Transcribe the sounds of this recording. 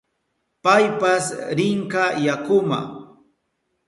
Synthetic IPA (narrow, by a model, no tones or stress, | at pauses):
pajpasɾɪŋkajakʊma̰